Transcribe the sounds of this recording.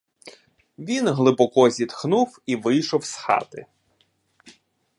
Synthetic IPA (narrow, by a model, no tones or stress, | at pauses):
ʋʲinɦlˠɪbɔkɔzʲit̪xnuwiʋɪjʃɔwsxɑ̰t̪ɪ̰